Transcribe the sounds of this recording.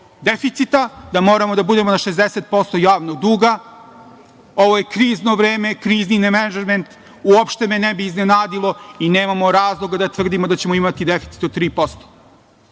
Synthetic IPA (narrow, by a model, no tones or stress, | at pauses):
d̪efit̪sit̪ad̪amo̞ːɾamo̞d̪abud̪e̞monaʃe̞zd̪eset̪̚po̞st̪o̞jaːʋnoɡd̪uːɡa | o̞ʋoje̞kɾiːzno̞ʋɾeːme̞kɾiːzninemenad͡ʒɾment̪ | uopʃt̪e̞me̞nebiːznenaːd̪ilˠo̞ineːmamo̞ɾaːzlˠo̞ɡad̪at̪ʋr̩d̪imo̞d̪at͡ɕemo̞imat̪id̪efit̪si̥t̪o̞d̪t̪ːɾiːpo̞st̪o̥